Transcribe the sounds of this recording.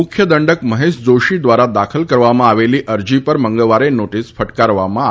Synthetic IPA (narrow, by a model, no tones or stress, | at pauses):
ukʰjəd̪əɳɖəkməɦesd͡zoɕid̪ʋaɾad̪akʰəlkəɾʋamãːʋeliːʔəɾd͡ʑipəɾməŋɡəlʋaɾenoʈiːsfəʈkaɾʋama